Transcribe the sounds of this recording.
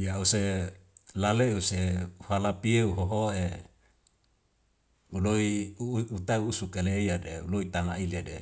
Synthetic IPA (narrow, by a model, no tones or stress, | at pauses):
jause | laleuseuhalapieuɦoɦoe | uloiut̪auːsukeleiadeṵloit̪anailedḛ